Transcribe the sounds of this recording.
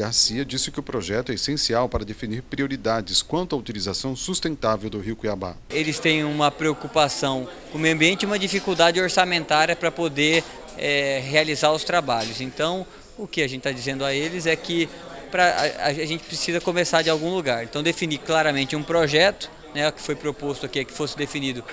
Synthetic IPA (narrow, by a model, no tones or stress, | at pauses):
ɡaɾsiɐd͡ʒisɪ̥kɪʊpɾoʒɛt̪ʊɛesẽsiawpaɾɐd̪efiniɾpɾioɾid̪ad͡ʒɪskwɐ̃nt̪ʊɐut͡ʃilizasɐ̃w̃sust̪ẽnt̪avewd̪ʊɦiwkiaba̰elɪst̪ẽj̃ũmɐpɾeokupasɐ̃w̃ | kõmeɐ̃mbiẽnt͡ʃɪũmɐd͡ʒifikuwd̪ad͡ʒɪoɾsamẽnt̪aɾjɐpɾɐpod̪e | ɛhealizaɾʊst̪ɾabaʎʊzẽnt̪ɐ̃w̃ | ʊkɪaʒẽnt͡ʃɪt̪ad͡ʒizẽnd̪ʊaelɪzɛkɪpɾɐa̰a̰ʒʒẽnt͡ʃɪ̥pɾesizɐkomesaɾd͡ʒɪawɡũluɡaɾẽnt̪ɐ̃w̃d̪efiniɾklaɾɐmẽnt͡ʃɪũpɾoʒɛt̪ʊ̥ | nɛkɪ̥fojpɾopost̪ʊakiɛkɪ̥fosɪd̪efinid̪ʊ